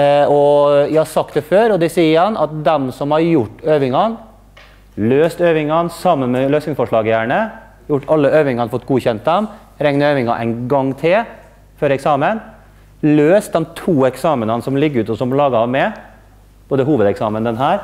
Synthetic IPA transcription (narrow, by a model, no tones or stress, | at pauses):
ɔjæhɑɾsɑk̚t̪̚d̪ɛføːɾɔd̪ɛsiːəɾhɑnɑ̰t̪̚d̪ɛmsɔmhɑɾjʊʈːøːʋɪŋɑn | løːst̪øːʋɪŋɑnsɑmːənmɛløːsɪŋsfɔʂɭɑːɡəjæːɳə | jʊʈːɑlːəøːʋɪŋɑnfɔt̪ːɡuːçɛnt̪̚d̪ɛm | ɾɛŋnəøːʋɪŋɑʔæ̰ɪnɡɑŋːt̪ʰɪl | fɔɾɛksɑːmən | løːst̪̚d̪ɛmt̪ʰuːɛksɑːmənənsɔmlɪɡəɾʉːt̪ɔsɔmlɑːɡɑɑʋmɛ | b̥oːd̪əɦuːʋəd̪ɛksɑːmənd̪ɛnɦæːɾ